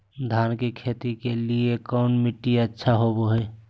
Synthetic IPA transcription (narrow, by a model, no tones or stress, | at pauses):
d̪ʱaːnkekʰeːt̪ikeliekɔːnmɪʈːiətːʃʰaɦoboɦeː